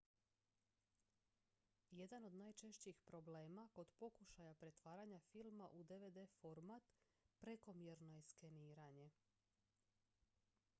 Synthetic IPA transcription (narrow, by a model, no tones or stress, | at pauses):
je̞d̪ano̞d̪naːjt͡ʃe̞ʃt͡ɕixpɾo̞ble̞ːmako̞d̪po̞kuʃajapɾe̞t̪ʋaːɾaɲafilˠmaʔud̪e̞ʋed̪efo̞ɾmat̪ | pɾeko̞mjiɾnojeske̞niːɾaɲe̞